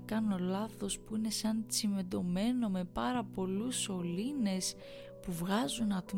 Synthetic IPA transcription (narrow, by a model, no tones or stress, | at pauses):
kɐno̞lɐθo̞spuine̞sɐnt͡sime̞d̪o̞me̞no̞me̞pɐɾɐpo̞luso̞line̞s | puvɣɐzunɐt̪